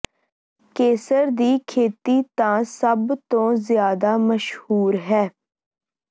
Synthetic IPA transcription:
keːsəɾd̪iːkʰeːt̪iːt̪ãːsəbt̪õːzɪjaːd̪aːməʃhuːɾɦɛː

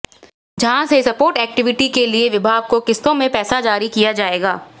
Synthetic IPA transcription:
d͡ʒɐɦãsesɐpoːɾʈɛːk̚ʈɪʋɪʈikelieʋɪbʱaːɡ̚kokɪst̪õmẽpɛːsad͡ʒaːɾikijad͡ʒaːeːɡaː

